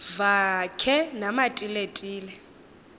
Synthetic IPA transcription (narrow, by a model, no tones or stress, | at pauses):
vakʰɛnamatʼiletʼiːlɛ